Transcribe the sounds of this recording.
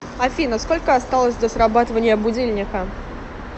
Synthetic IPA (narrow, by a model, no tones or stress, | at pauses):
afʲinəskolʲkəast̪alˠəsʲd̪ʲɐsrabat̪əvənʲɪjəbʊd͡zʲilʲnʲɪkə